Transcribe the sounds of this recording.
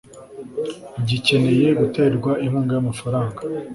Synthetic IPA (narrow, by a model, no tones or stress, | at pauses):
ɟice̞ne̞je̞ɡute̞ɾɡwaʔimhuːŋɡajamafaɾaːŋɡa